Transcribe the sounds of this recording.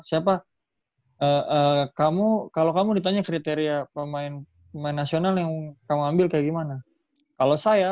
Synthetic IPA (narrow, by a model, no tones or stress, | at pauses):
siap̬a | ʔəʔəkamukalokamudit̪aɲakɾit̪eɾiapəmaɪn | pəmaɪnːasionaljaŋkamuambɪlkajaɡimana | kalosaja